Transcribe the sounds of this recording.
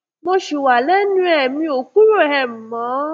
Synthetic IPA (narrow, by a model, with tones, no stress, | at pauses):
mo˧ʃu˨wa˨lɛ˦nũ˦ɛ˨mĩ˧˦o˨ku˦ɾo˦˨ɛ˨m̩˨mã˨˦